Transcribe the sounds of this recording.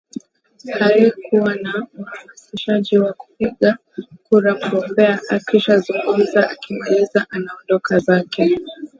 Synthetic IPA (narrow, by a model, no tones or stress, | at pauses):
halikʰuwanauhamasiʃaʄiwaku̥piɠa | kuɾamuɡɔmbɛaʔakiʃazuŋɡum̩zaʔakimalizaʔanaɔndɔkazakɛ